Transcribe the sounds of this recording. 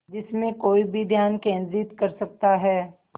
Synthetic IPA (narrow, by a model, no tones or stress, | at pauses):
d͡ʒɪsmẽkoːibʱid̪ʱjaːnkẽːnzit̪kɐɾsɐk̚t̪aɦɛː